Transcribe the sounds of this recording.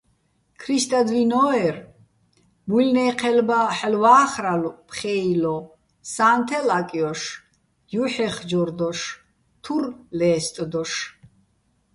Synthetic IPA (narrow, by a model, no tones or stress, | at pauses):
kʰɾist̪ʼad̪vinɔɛr | mulnɛːqʰɛlbaħlwaːχɾalpʰχɛilɔ | saːnt̪ʰɛlakʼjɔʃ | juħɛχd͡ʒɔɾd̪ɔʃ | t̪ʰurlɛːst̪ʼd̪ɔʃ